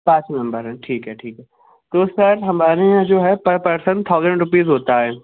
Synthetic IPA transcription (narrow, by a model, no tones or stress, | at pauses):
pãːt͡ʃmɐ̃mbəɾɦɛ̃ʈʰiːkɦɛʈʰiːkɦɛ | t̪oʊsɐɾɦɐmaːɾẽd͡ʒoːɦɛpɐpɐɾsə̃nt̪ʰaːʊzə̃ɳɖɾʊpiːzɦoːt̪aɦɛː